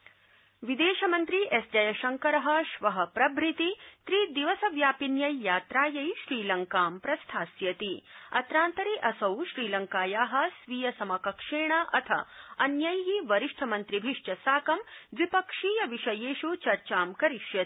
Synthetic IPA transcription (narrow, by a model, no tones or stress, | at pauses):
ʋid̪eːʃɐmɐnt̪ɾiʔesd͡ʒɐjɐʃɐŋkɐɾɐɦɐ̆ʃʋɐɦɐpɾɐbʱɾit̪it̪ɾiːd̪iʋɐsɐʋjaːpinjɐjːaːt̪ɾaːjɐjʃɾiːlɐŋkaːmpɾɐst̪ʰaːsjɐt̪iɐt̪ɾaːnt̪ɐɾiʔɐsɐwʃɾiːlɐŋkaːjaːɦɐ̆sʋijɐsɐmɐkɐkʂeːɳaʔɐt̪ʰɐ̰ɐnjɐjɦiʋɐɾiʂʈʰɐmɐnt̪ɾibʱiʂʈɐsaːkɐmd̪ʋipɐkʂiːjɐʋiʃɐjeːʃut͡ʃɐɾt͡ʃaːmkɐɾiʃjɐt̪i̥